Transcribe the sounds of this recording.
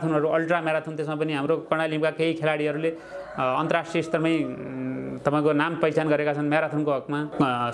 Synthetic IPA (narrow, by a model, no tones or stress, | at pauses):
t̪ʰunʌɾuʌlʈramjeɾat̪ʰunt̪esmap̬ʌniɦamɾokʌɽ̃alĩmkakeikʰelaɽiʌɾule | ʌnt̪ʌrasʈriʌist̪ʌrmʌj̃ | t̪ʌpaĩkonampʌjt͡sanɡʌɾekat͡sʰʌnmjaɾat̪ʰunkoɦʌkma